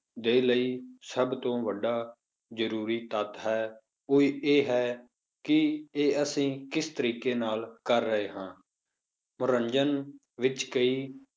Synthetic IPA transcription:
d̪eːləiːsəbt̪õːʋəɖaː | zəɾuːɾiːt̪ət̪ɦɛː | oiːeːɦɛː | kɪeːəsĩːkɪst̪əɾiːkeːnaːlkəɾːəɦeːɦãː | mʊɾəɲd͡ʒən | ʋɪt͡ʃkəiː

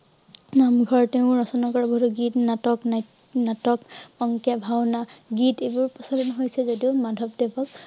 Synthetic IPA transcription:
namɡʱɔɹteʊ̃ɹɔsɔnakɔɹabɔduɡitnatɔkn | natɔkɔŋkjabʱawnaɡitejbʊɹpɔsalɔnɔɦojsɛzodiʊmadʱɔbdebɔk̚

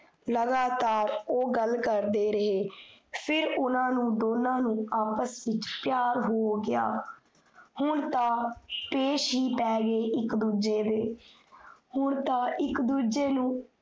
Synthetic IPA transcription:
ləɡaːt̪aːɾoːɡəlkəɾd̪eːɾəɦeːpʰɪɾʊnãːnũːd̪oːnãːnũːaːpəsʋɪt͡ʃpɪjaːɾɦoːɡɪja̰ː | hʊɳt̪ãːpeːʃɦiːpɛːɡeːʔɪkd̪uːd͡ʒeːd̪eː | hʊɳt̪ãːʔɪkd̪uːd͡ʒeːnũː

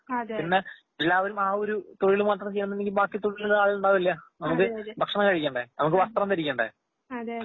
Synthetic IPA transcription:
pinːe̞ | elːaːʋɐɾumaːoɾut̪oɻilumʋɐt̪rɐmt͡ɕejːnɐmːenːeŋɡilbaːkːit̪oɻilaːɭiluɳɖaːʋilːjɐnɐmukːɨbʱɐkʂɐɳɐŋkɐɻikʲːeːɳɖenɐmukːɨʋɐst̪rɐmt̪ɐɾikʲːeːɳɖḛ

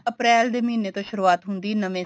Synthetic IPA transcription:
əpɾɛːld̪eːmiːnet̪õːʃʊɾuːaːt̪ɦʊ̃nd̪iːnəʋẽː

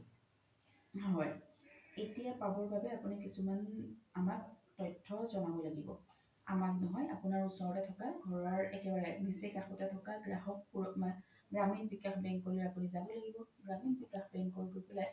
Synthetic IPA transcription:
ɦɔjetijapabɔɹbabɛapunikisumanamaktɔjtʰːɔzɔnabɔlaɡibɔ̰ | a̰maknɔɦɔja̰pʊnaɹusɔɹɔtɛtʰɔkaɡʱɔɹaɹɛkɛbaɹɛbisikaxutɛtʰɔkaɡɹaɦɔkpum | ɡɹaminbikaxbɛŋkːoliɹapunizabɔlaɡibɔɡɹaminbikaxbɛŋkoɹɡopɛlaj

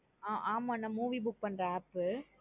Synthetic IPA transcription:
aːʔaːmaːnːãːmuːʋibʊk̚pɐnɾaːpːɯ

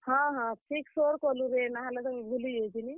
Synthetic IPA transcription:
ɦɔ̃ɦɔ̃ʈʰiksoɾkɔluɾenaɦalad̪ɔŋbʱulied͡ʒini

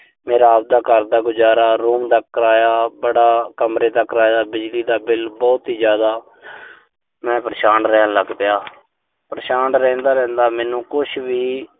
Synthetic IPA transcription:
meːɾaːb̚d̪aːkəɾd̪aːɡʊd͡ʒaːɾaːɾuːmd̪əkɾaːjaːbəɽaːkəmɾeːd̪akɾaːjaːbɪd͡ʒliːd̪aːbɪlbɔːt̪iːd͡ʒjaːd̪aː | mɛ̃ːpɾəʃaːnɾɛːaləɡpɪjaː | pɾəʃaːnɾɛ̃ːnd̪aːɾɛ̃ːnd̪aːmɛːnũːkʊʃʰʋiː

